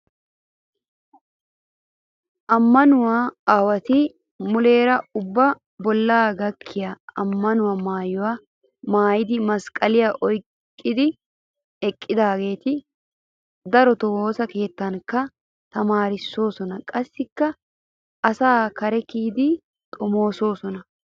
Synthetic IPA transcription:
ʔɐmːɐnʊwaːaːwɐt̪ɪ | mʊle̞ːɾɐʊbːɐ | bɔlːaːɡɐkʰːɪjaɐmːɐnʊwɐmaːjʊwɐ | maːjɪd̪ɪmɐskʼɐlɪjaʔɔjkʼːɪd̪ɪ | ɛkʼːɪd̪aːɡe̞ːt̪ɪ | d̪ɐɾɔt̪ɔwoːsɐke̞ːt̪ːɐnkːɐ | t̪ɐmaːɾɪsːo̞ːsɔnɐkʼɐsːɪkːɐ | ʔɐsaːkɐɾɛkiːd̪ɪ | t̪ʼɔmo̞ːso̞ːsɔnɐ

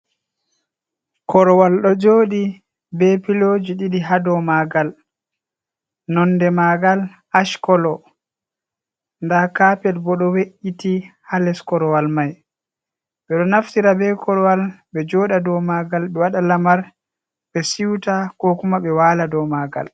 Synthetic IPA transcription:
kɔɾɔwalɗɔd͡ʒoːɗi | bɛpiloːd͡ʒiɗiɗiɦadɔmaɡal | nɔnːdɛmaɡal | aʃkɔlɔ | ndakapɛlbɔɗɔweʔitihalɛskɔɾɔwalmaj | ɓɛɗɔnaftiɾabɛkʰɔɾɔwalbɛd͡ʒɔːɗadɔmaɡalɓɛwaɗalamaɾ | ɓɛsiwtakɔkumaɓɛwaːladɔmaːɡa̰l

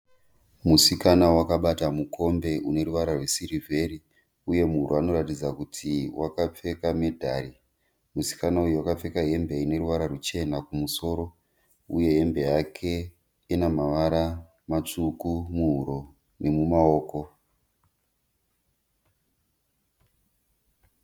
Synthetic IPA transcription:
musikanawakaɓatamukʰo̞mbe̞ʔune̞ɾuʋaɾarwe̞siɾivʱe̞ɾi | uje̞muɦuɾoano̞ɾatid͡zakutʰiwʔakap͡fe̞kame̞dʱa̰ɾi | musi̥kanauje̞wakap͡fe̞kaɦe̞mbe̞ine̞ɾuʋaɾarut͡ʃe̞nakumuso̞ɾo̞ | uje̞ɦe̞mbe̞jakʰe̞ | inamaʋaɾa | mat͡ʂukumuɦuɾo̞ | ne̞mumao̞ːko̞

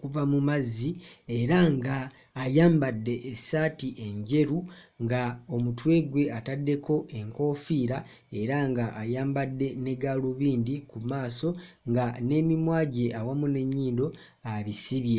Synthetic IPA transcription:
kuvamumazie̞ɾaŋɡaː | jaːmbadːe̞ʔːsaːtiʔe̞ɲɟe̞ɾuŋɡao̞mutwe̞ːɡwe̞atadːe̞ko̞ʔe̞ŋko̞fiːɾa | e̞ɾaŋɡaʔajaːmbadːe̞ne̞ɡaluβiːndikumaːso̞ | ŋɡane̞mimwaːɟe̞awamune̞ɲːiːndo̞ | aβisiβje̞

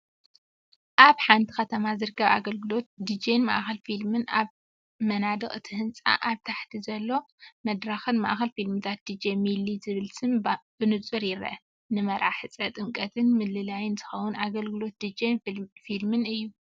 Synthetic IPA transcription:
ʔaβħant̪ʰi̥xɐt̪ʰɐmazɨɾɨkʰːɐβa̰ɡɐlɡɨlo̞t̪̚d̪id͡ʒenma̰ʔxɐlfilmɨnaβ | mɐnad̪ɨxʼɨt̪ʰɨhɨnt͡sʼa̰ʔaβt̪ʰaħt̪ʰizɐlːo̞ | mɐd̪ɾaxɨnma̰ʔxɐlfilmɨt̪ʰat̪̚d̪id͡ʒemilizɨβɨlsɨmb̥ɨnɨt͡sʼɨɾjɪɾ̰ʔɐ̰ | nɨmɐɾʔaħɨt͡sʼɐt̪ʼɨŋkʼɐt̪ʰɨnmɨlɨlajɪnzɨxɐwʊnʔaɡɐlɡɨlo̞t̪̚d̪id͡ʒenfilmɨnɨjːu

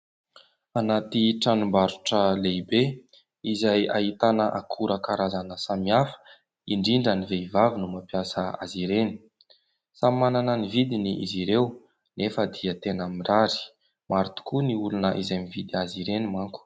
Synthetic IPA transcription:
anat̪iʈ͡ʂanumbaɾuʈ͡ʂəlebe | izajaɦit̪anəʔakʰuɾəkaɾazanəsamiafə̥ | iɳɖ͡ʐiɳɖ͡ʐəniveivavinumapiasəa̰ziɾeni̥ | sammananənivid̪iniʔiziɾew | nefəd̪iət̪enamiraɾi̥ | maɾut̪u̥kuniulunəʔizajmivid̪iaziɾenimaŋku̥

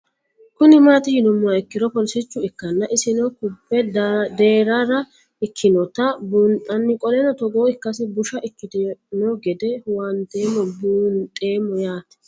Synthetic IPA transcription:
kʊnɪmaːt̪ɪjɪnʊmːʊɐɪkːɪd̪ɔpɔlsɪt͡ʃːʊɪkːɐnːɐʔɪsɪnɔkʊbːɛd̪eːɾaɾɐ | ɪkʰːɪnɔt̪ɐbuːnt̪ʼɐnːɪkʼɔlɛnɔt̪ɔɡoːɪkːɐsɪbʊʃɐʔɪkːɪd̪ɛnɔɡɛd̪ɛwɐnt̪e̞ːmːɔbuːnt̪ʼe̞ːmːɔjaːt̪ɛ̥

